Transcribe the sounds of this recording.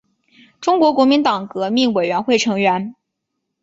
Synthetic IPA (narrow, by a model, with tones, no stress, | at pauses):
ʈ͡ʂʊ˥ŋkwɔ˧˥kwɔ˧˥mi˧˥nt̪ɑ˨˩ŋkɤ˧˥mi˥˩ŋwe˨˩ɥɛ˧˥nxwe˥˩ɪʈ͡ʂʰɤ˧˥ŋɥɛ˧˥n